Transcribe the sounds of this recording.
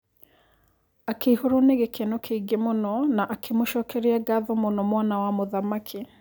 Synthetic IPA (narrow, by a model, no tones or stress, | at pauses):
akʰeihoɾoneɣekʰenokʰeiɡemonɔnaʔakʰemoʃɔːkʰɛɾeaɡaðɔmonɔmwanawamoðamakʰe